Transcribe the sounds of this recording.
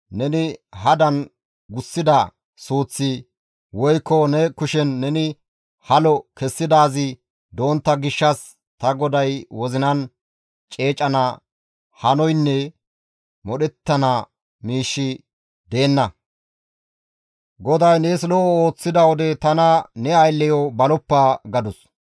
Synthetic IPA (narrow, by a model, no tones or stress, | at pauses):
nɛnɪhɐd̪ɐn | ɡʊsːɪd̪ɐ | suːt͡sːɪ | wɔjkːɔnɛkʊʃɛnːɛnɪ | hɐlɔkɛsːɪd̪aːzɪ | d̪o̞ːnt̪ːɐɡɪʃːɐs | t̪ɐɡɔd̪ɐjwɔzɪnɐn | t͡ʃʼe̞ːt͡ʃʼɐnɐ | hɐnɔjnːɛ | mɔɗɛt̪ːɐnɐ | miːʃːɪ | d̪e̞ːnːɐ | ɡɔd̪ɐjneːslɔoːt͡sːɪd̪ɐwɔd̪ɛt̪ɐnɐnɛɐjlːɛjɔbɐlɔpːaːɡɐd̪ʊs